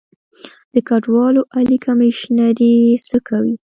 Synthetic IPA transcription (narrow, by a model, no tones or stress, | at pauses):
d̪̥əkaɖwɑloʔalikʰameʃnaɾesəkawi